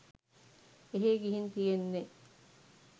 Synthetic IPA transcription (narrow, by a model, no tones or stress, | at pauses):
eɦeɡiɦint̪ijenːe